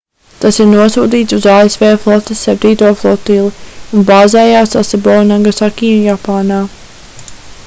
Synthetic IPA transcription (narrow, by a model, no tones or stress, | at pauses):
t̪asiɾnuɔsuːd̪iːt̪suzaːesvɛːflˠɔt̪esɛp̚t̪iːt̪uɔflˠɔt̪iːlˠiunbaːzɛːjaːsasɛbɔnaŋɡasakʲiːunjapaːnaː